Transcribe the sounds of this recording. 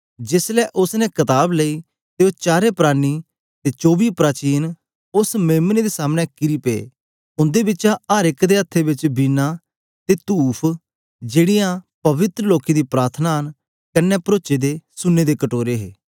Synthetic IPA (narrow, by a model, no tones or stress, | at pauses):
d͡ʒɪslɛːʔʊsnɛkɐt̪aːbleiː | t̪eːot͡ʃaːɾepɾaːñi | t̪eːt͡ʃoːbiːpɾaːt͡ʃiːn | ʊsmeːmneːd̪eːsaːmnɛkɪɾiːpḛː | ʊ̃nd̪ebɪt͡ʃaaːɾɪkd̪eːət̪ʰːebɪt͡ʃbiːnːa | t̪eːt̪uːpʰ | d͡ʒeːɽijãpɐʋɪt̪ɾəloːkid̪iːpɾaːɾt̪ʰnaːən | kənːɛpɾoːt͡ʃed̪eːsʊnːeːd̪eːkəʈoːɾeɦḛː